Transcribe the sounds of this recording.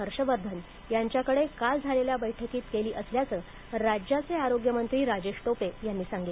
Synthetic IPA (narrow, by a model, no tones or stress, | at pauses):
əɾɕəʋəɾd̪ʱən | jaɲt͡ɕjakəɽekald͡zʱaleljabəjʈʰəkiːt̪keliːʔəsljat͡səː | ɾad͡ʑjat͡seaɾoɡjəmənt̪ɾiːɾad͡ʑeɕʈopejanːiːsãŋɡi